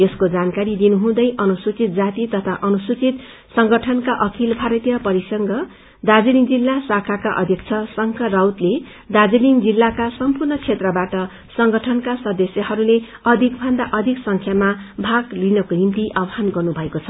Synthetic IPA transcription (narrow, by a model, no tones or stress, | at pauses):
eskod͡zankaɾid̪inuɦũd̪ʌjʔʌnusut͡sit̪̚d͡zat̪it̪ʌt̪ʰaʔʌnusut͡sit̪ | sʌŋɡʌʈʰʌnkaʔʌkʰilbʱaɾʌt̪ijʌpʌɾisʌŋɡʌ | d̪ad͡ziliŋd͡zilːasakʰakaʔʌ̰d̪ʱjʌkt͡sʰʌsʌŋkʰʌrawt̪le | d̪ad͡ziliŋd͡zilːakasʌmpurnʌt͡sʰet̪rʌbaʈʌ | sʌŋɡʌʈʰʌnkasʌd̪ʌsjʌhʌɾule | ʌd̪ʱikbʱʌnd̪aʔʌd̪ʱiksʌŋkʰjamabʱaɡlinʌkoɦint̪iʔabɦanɡʌrnubʱʌekot͡sʰʌ